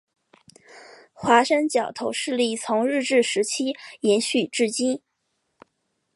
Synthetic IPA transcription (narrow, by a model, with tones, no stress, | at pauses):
xwa˧˥ʂə˥nt͡ɕjɑ˨˩ʊt̪ʰo˧˥ʊʂɻ̩˥˧li˥˩t͡sʰʊ˧˥ŋɻɻ̩˥˧ʈ͡ʂɻ̩˥˩ʂɻ̩˧˥t͡ɕʰi˥jɛ˧˥nɕy˥˩ʈ͡ʂɻ̩˥˩t͡ɕi˥n